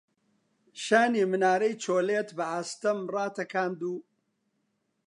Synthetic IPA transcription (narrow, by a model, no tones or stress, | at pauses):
ʃaːniːmɨnaːɾɐjt͡ʃʰoːleːt̪bɐhast̪ɐmrˤɑːt̪ʰɐkʰaːnd̪uː